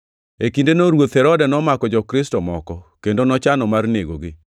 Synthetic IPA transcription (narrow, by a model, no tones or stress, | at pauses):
ekindenoɾwot̪hɛɾɔdɛnɔmakɔd͡ʒɔkɾɪstɔmɔkɔkendonɔt͡ʃanɔmarneɡo̰ɡɪ